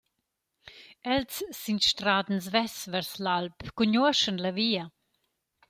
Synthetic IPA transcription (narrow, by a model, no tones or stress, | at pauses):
ɛlsːinʃt̪ɾaːd̪n̩svɛsvɛɾslalpkuɲuɐʃənlaviːɐ